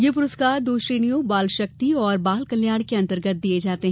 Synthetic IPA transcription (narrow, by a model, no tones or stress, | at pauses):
jep̬ʊɾʊskaːɾd̪oːʃɾeːnijõbaːlʃɐk̚t̪iɔːɾbaːlkɐljaːɽ̃keɐ̃nt̪əɾɡət̪̚d̪ied͡ʒaːt̪eɦ